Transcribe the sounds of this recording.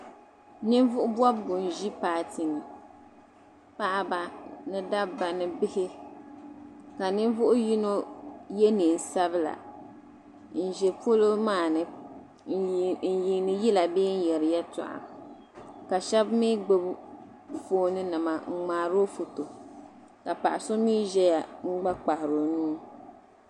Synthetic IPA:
nɨ˦n˦vʊ˦ʔʊ˦bwɔ˦bɡʊ˨n˨ʒi˦paː˨ti˨nɨ˨ | pa˦ʔa˨ba˨nɨ˦da˦bba˨nɨ˦bɪ˦hɪ˦ | ka˨nɨ˦n˦vʊ˦ʔʊ˦ji˦no˦jɛ˦ni˨n̩˨sa˦bɨ˦la̰˨ | n̩˨ʒɛ˨po˦lo˦maː˦˨nɨ˦ | n̩˨ji˨nɨ˨ji˦la˨beː˦n̩˦jɛ˨ɾɨ˨jɛ˦tʊ̰˨ʔa̰˨m | ka˨ʃɛ˦bmi˦ɡ͡bɨ˦b | foː˦nɨ˦nɨ˨ma˨ŋ͡m̩˨ŋ͡maː˨ɾo˦fu˨to˨ | ka˨pa̰˨ʔa˨so˦miː˦ʒɛ˦ja˨ŋ͡m̩˦ɡ͡ba˦k͡pa˨hɪ˨ɾo˨nuː˦

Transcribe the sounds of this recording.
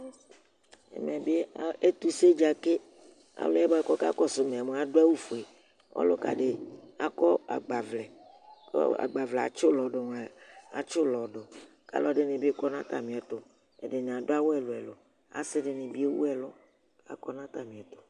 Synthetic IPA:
ḛ˨mẽ˨be˦e˦t̪u˦se˦d͡ʒa˨ke˦ | a̰˨lo̰˦ɛ˦bkɔ˦ka̰˦kɔ˦sʊ˨me˨a˨mẽ˨˦a˨ɖo˦a˦wu˦fo˨e˨ | ɔ̰˦lo̰˦ka̰˨ɖe˨a̰˦kɔ˦a̰˨ɡ͡ba˨vlɛ̰˨˦ | a̰˨ɡ͡ba˨vlɛ˨a̰˨t͡ʃo˦lɔ˨ɖo˨n˨a˨a̰˨t͡ʃo˦lɔ˨ɖo˨ | ka̰˦lɔ˨˦ɖe˦nẽ˨be˦kɔ˦nã˦t̪a̰˨mĩ˨ɛ˨t̪o˦ | ḛ˨ɖe˨n˨a˨do˦a˦wo˦ɛ˨lo˨ɛ˨lo̰˨ | a̰˨sɪ˦ɖe˨nẽ˨bi˦e˦wṵ˦ɛ˨lo˦ | a̰˨kɔ˦nã˦t̪a˨mĩ˨ɛ˨t̪o̥˨

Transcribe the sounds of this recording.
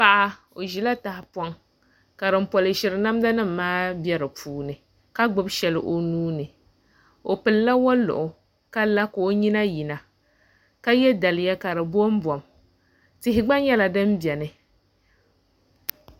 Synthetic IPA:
pa˦ʔa˦ | o˨ʒi˨la˦ta˨hɪ˨pɔ˦ŋ | ka˨ɾɨ˨m̩˦pɔ˨lɨ˨ʃɪ˨ɾɨ˨na˦m˦da˦nɨ˦m̩ː˨aː˦bɛ˦ɾɨ˨pʰuː˦nɨ˨ | ka˦ɡ͡bɨ˦bʃɛ˨lɨ˨ʔo˨nuː˦nɨ˨ | o˨pɨ˨lla˦wa˦lʊ̰˨ʔʊ˨ | ka˦la˦kʊ˨o˦ɲi˦na˦ji˨na˨ | ka˦jɛ˦da˨lɪ˨˦ja˦ka˨ɾɨ˨bo˦m˦bɔ˨m | tɪ˦ɦɪ˦ɡ͡ba˦ɲɛ˦la˨dɨ˦m˦bɛ˨nɨ˨

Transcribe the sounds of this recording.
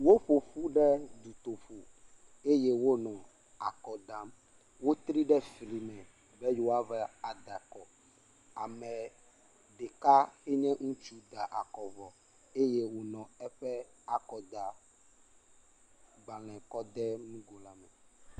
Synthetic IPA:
wo˦ɸo˨ɸu˦ɖɛ˦d̪u˨t̪o˨ɸu˨ | e˦je˦wo˦nɔ̃˨ | a˨kɔ˨ɖã˨˦m | wo˦t̪ɾi˦ɖɛ˦fli˨mɛ̃˨ | bɛ˦jo˨a˦vɛ˦a˨d̪a˨kɔ˨ | a˨mɛ˨ | ɖe˨ka˦xe˦ɲɛ̃˦ŋũ˦t͡ʃu˦d̪a˨ʔa˨kɔ˨vɔ˨ | e˦je˦wo˨nɔ̃˨ɛ˦ɸɛ˦a˨kɔ˨d̪a˨ | ɡ͡ba˨l̃ɛ̃˨kɔ˦d̪ɛ˦nũ˦ɡo˨la˨mɛ˨

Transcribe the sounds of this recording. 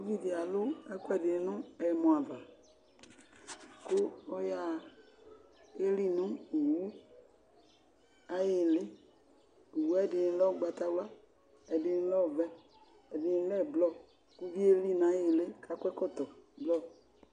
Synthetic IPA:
o˦vi˦di˨a˨lʊ˦ɛ˦kɛ˨dɪ˨˦nʊ̃˦ɛ˨mɔ̃˨a˨va˨ | kʊ˦ɔ˦ja˦ | e˦li˦nʊ̃˦u˨wu˦ | a˦je˨lɪ˦ | u˨wu˦ɛ˦˨dɪ˨˦lɔ˦ɡ͡ba˨t̪a˦wa˦ | ɛ˨dɪ˨n˦lɔ˦˨vɛ˦ | ɛ˨dɪ˨˦lɛ˦˨blɔ˦ | ku˦vi˦e˦li˦na˨˦je˨lɪ˦ka˨˦kʷɛ˦kɔ˦t̪ɔ˨blɔ˦˨

